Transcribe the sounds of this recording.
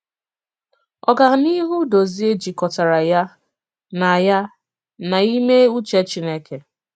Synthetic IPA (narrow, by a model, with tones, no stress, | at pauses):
ɔ˨ɡa˨ɦʊ˨ni˦ɦu˦do˨zi˦e˦d͡ʒi˨kɔ˨ta˨ɾa˨ja˦ | na˨ja˦ | na˨i˦me˦u˦t͡ʃe˦t͡ʃi˦ne˦ke˨